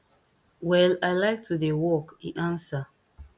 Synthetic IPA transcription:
wɛlaɪlaɪk̚tudewɔkiʔãnsa

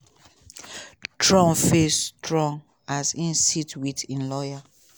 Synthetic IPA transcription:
tʰɹɔ̃mfestɹɔ̃ŋ | asĩnsitwitĩnlɔja

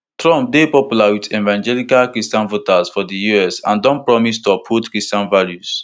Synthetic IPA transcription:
tɹɔ̃mp̚depɔpjulawitɛvãnd͡ʒɛlikalkɹistãnvotazfɔdəjuɛsã̰ndɔ̃npɹɔmistuapʰutkɹistãnvaljuz̥

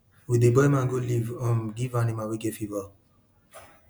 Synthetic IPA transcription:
widebɔimãɡolivɔmɡivanĩmãwiɡɛfiva

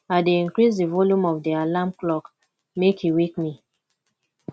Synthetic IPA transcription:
adeĩnkɹisdəvɔljũmɔvdialamklɔk | mekhiwikmi

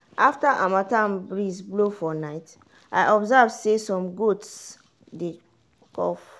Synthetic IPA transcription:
ʔaftaʔamatãmbɹizblofɔnaɪt | aɪʔɔbzavsesɔ̃mɡots | de | kʰɔ̰f

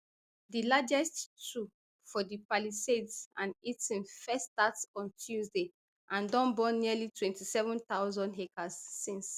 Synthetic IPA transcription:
dilad͡ʒɛsttɹu | fɔdipalisedsãnitĩnfɛstatsɔ̃ntʰjuzde | ʔãndɔ̃nbɔ̃nːiəlitʰwɛ̃ntisɛvɔ̃nt̪aʊzɔ̃ndɦekazːĩns

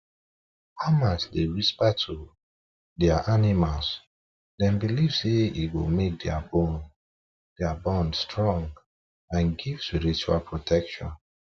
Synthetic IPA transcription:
haʊmat͡ʃdeɹispatʰu | dɛaʔanimals | dɛ̃mbilivseiɡomek̚dabon | d̥ɛabɔ̃ndstɹɔ̃ŋɡ | ãnɡiv̥spiɹit͡ʃualpʰɹotʰɛkʃɔ̰̃n

